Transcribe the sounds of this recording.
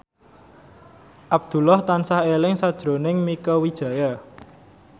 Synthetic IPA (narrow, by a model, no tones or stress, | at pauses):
ʔab̚d̪̥ṳlaht̪ansahelɪŋsad̥ʒ̥ɾonɪŋmikəwid̥ʒ̥ä̤ja